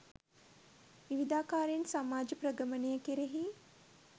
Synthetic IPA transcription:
ʋiʋid̪aːkaːɾensamaːd͡ʒəprəɡəmənejəkeɾeɦi

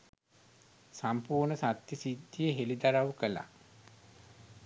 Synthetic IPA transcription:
sampuːɾnəsat̪jisid̪ːijeɦelid̪aɾaʋukəla̰

